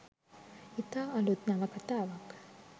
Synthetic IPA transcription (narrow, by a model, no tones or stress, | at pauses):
it̪aːlut̪naʋɐkɐt̪aːʋak